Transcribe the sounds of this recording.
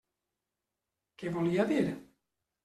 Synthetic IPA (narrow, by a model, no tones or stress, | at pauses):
kevoliad̪iːɾe